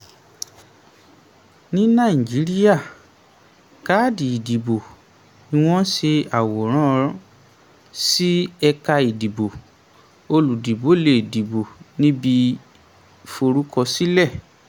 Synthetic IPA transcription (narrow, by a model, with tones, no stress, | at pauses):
nĩ˦nã˦˨i˨d͡ʒi˨˦ɾi˦ja˦˨ | ka˦˨di˨i˨di˨bo˨ | i˧w̃ɔ̃˦ʃe˧a˨wɔ˨ɾ̃ɔ̃˦˧ɾ | si˦ɛ˧ka˧i˨di˨bo˨ | o˧lu˨di˨bo˨˦le˨di˨bo˨nĩ˦bi˧ | fo˧ɾu˦kʰɔ˧si˦lɛ˦˨